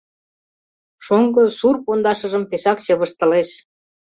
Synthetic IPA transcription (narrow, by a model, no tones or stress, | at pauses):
ʃoŋɡɤ̆surpond̪ɑʃə̆ʒə̆mpeʃɑkt͡ɕĕβə̆ʃt̪ɤ̆leʃ